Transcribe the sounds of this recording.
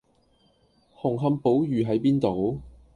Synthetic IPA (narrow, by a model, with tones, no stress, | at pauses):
hʊ˨˩ŋɦɐ˧mpo˨˥wjyː˨ɦɐ˨˥jpiː˥nt̪o˨˧w